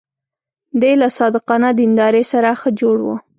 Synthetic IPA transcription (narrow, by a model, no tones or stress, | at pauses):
d̪əjlasɑd̪ɪqɑnad̪ɪnd̪ɑɾesaɾaxəd͡ʒoɽwə̰